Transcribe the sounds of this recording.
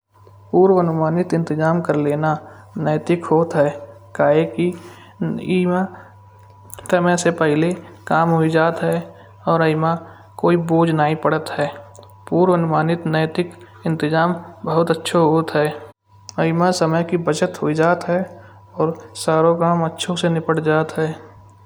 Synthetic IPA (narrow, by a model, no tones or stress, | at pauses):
puːɾwənʊmaːnɪt̪ɪ̃nt̪ɪzaːmkəɾleːna | nəːt̪ɪkɦoːt̪ɦɛː | kaːɦeki | ima | səməsepɛɦɪlekaːmɦoid͡ʒaːt̪ɦɛː | ɔːɾəɪma | koːiboːd͡ʒnaːĩpəɽət̪ɦɛː | puːɾʋənʊmaːnɪt̪nəːt̪ɪk | ɪ̃nt̪ɪzaːmbəɦʊt̪ətːʃʰoɦoːt̪ɦɛː | əɪmasəməjkibət͡ʃət̪ɦoid͡ʒaːt̪ɦɛ | ɔːɾsaːɾokaːmətːʃʰõsenɪpəɽd͡ʒaːt̪ɦɛː